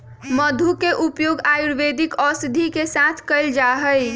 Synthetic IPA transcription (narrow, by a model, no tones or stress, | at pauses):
məd̪ʱukeʔupjoɡajuɾʋed̪ikɔsd̪ʱikesat̪ʰkəɪld͡ʒaɦəj